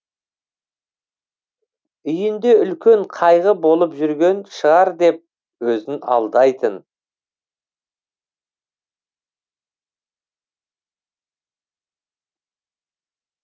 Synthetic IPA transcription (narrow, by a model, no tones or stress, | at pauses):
ʏjɪnd̪e̞ʏlkʲe̞ɴqʰɑjʁəbo̞lˠəpʒʏɾɡʲe̞nʃəʁɑɾd̪e̞p̚ | wɵzɪnɑ̰lˠd̪ɑjt̪ʰən